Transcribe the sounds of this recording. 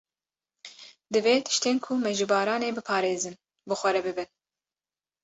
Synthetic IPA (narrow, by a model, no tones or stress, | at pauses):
d̪ɨveːt̪ʰɨ̥ʃt̪eːnkʰʊmɛʒɨbɑːɾɑːneːbɨpʰɑːɾeːzɨn | bɨxʷɛɾɛbɨbɨn